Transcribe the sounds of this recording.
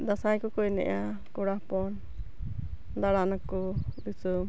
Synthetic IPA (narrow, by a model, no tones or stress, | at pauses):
d̪asajkɔkɔjnɛ̰ʔa | kɔɽapɔn | d̪aɽaʔnakud̪isum